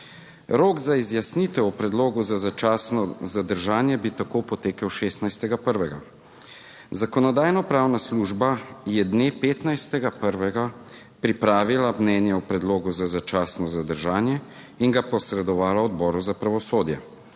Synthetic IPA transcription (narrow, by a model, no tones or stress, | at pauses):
ɾoːɡzaizjasnit̪ɛɔpɾɛd̪loːɡuzazat͡ʃaːsnɔzad̪əɾʒaːnjɛbit̪akopɔt̪eːkəwʃeːst̪najst̪ɛɡapəɾʋɛɡa | zakɔnɔd̪aːjnɔpɾaːwnasluʒbajɛd̪neːpeːt̪najst̪ɛɡapəɾʋɛɡa | pɾipɾaːʋilamnɛːnjɛwpɾɛd̪loːɡuzazat͡ʃaːsnɔzad̪əɾʒaːnjɛ | iŋɡapɔsɾɛd̪ɔʋaːlaɔd̪bɔːɾuzapɾaʋɔsoːd̪jɛ